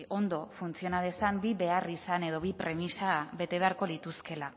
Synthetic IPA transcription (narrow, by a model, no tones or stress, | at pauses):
ʔo̞nd̪o̞funt͡sio̞nað̞e̞sambiβe̞arisane̞ð̞o̞β̞ipɾe̞misaβe̞t̪e̞β̞e̞aɾko̞lit̪uske̞la